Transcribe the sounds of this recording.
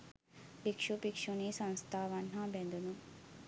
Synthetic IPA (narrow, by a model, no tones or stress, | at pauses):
pikʃupikʃunisɐ̃nst̪ʰaːʋɐn̤ãbẽnd̪ʱunu